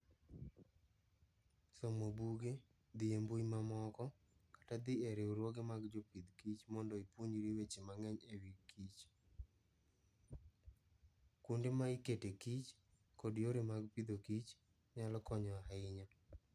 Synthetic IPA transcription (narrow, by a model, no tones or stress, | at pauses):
somobuɡe | d̪ɪembujmamɔkɔ | kḁtad̪ɪɛɾeuɾwoɡemaɡd͡ʒopid̪kit͡ʃmɔndɔipwoɲiɾiwet͡ʃemaŋɛɲewikːit͡ʃ | kundemaiketekit͡ʃ | kɔdjoɾemaɡpid̪okit͡ʃ | ɲalkɔɲɔaɪɲa